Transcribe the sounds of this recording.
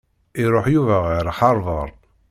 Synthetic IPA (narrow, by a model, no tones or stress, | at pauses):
iɾˤoħjuvæʁiɾħɑɾˤvəɾˤ